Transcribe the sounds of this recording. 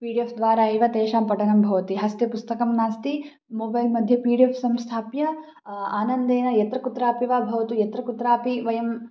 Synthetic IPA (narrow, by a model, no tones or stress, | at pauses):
piːɖiefd̪ʋaːɾaːiʋɐt̪eːʃaːmpɐʈɐɳɐmbʱɐʋɐt̪iɦɐst̪epust̪ɐkɐmnaːst̪i | moːbɐjlmɐd̪ʱjɐpiːɖiefʰsɐmst̪ʰaːpjɐ | aːnɐnd̪eːnɐjɐt̪ɾɐkut̪ɾaːpiʋaːbʱɐʋɐt̪ujɐt̪ɾɐkut̪ɾaːpiʋɐjɐm